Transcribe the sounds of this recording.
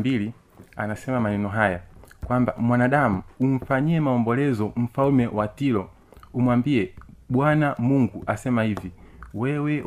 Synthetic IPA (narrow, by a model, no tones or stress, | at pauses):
bili | a̰nasɛmamanɛnɔɦajakwamba̰mwanaɗamuuɱ̩faɲiɛmaɔmbɔlɛzɔm̩falumɛwatilɔ | umwambiɛɓwanamuŋɡuʔasɛmahiviwɛwɛ